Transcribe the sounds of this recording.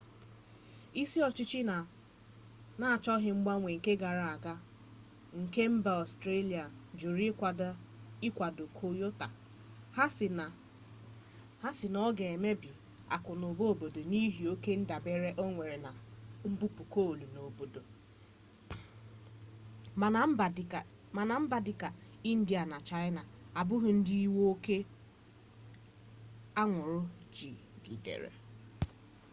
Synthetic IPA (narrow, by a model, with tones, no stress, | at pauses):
i˦si˦ɔ˨t͡ʃɪ˦t͡ʃi˦na˨ | na˦a˨t͡ʃɔ˦ɦɪ˦ŋ͡m̩˦ɡ͡ba˦ŋʷe˨ŋ̩˨ke˦ɡa˨ɾa˨a˨ɡa˦ | ŋ̩˨ke˦m̩˦ba˨ɔ˨stɾe˦li˨a˨d͡ʒu˨ɾi˦kʷa˨˦ɪ˦kʷa˨do˨kʰo˦jo˦ta̰˨˦˨ | ha˦sɪ˨nɔ˦ɡe˨e˨me˦bi˨ | a̰˨kʊ˨no˨bo˦o˨bo˨do˨ni˦ɦi˨o˦ke˦n̩˦da˨be˦ɾe˦ʔo˦ŋʷe˨ɾe˨na˨m̩˦bu˦pu˨ko˦o˨lu˨no˨bo˨do˨˦˨ | a˨na˨m̩˦ba˨dɪ˦ka˨ | i˦n̩˦dɪ˦a˨na˨t͡ʃa˦ɪ˦na˨a˨bʊ˦ɦʊ˨n̩˦di˦i˦wo˦ke˦ | a˦ŋʷʊ˨ɾʊ˦d͡ʒi˨ɡḭ˨dḛ˨ɾḛ˨